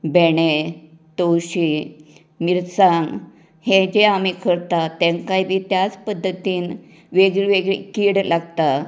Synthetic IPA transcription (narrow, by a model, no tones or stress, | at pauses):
beɽe | t̪owɕi | miɾsãŋɡ | hed͡ʑeamikʰəɾt̪at̪ɛ̃ŋkaibiːt̪jat͡spəd̪ʱːət̪iːn | ʋeɡɭiʋeɡɭḛkiːɽlaɡt̪a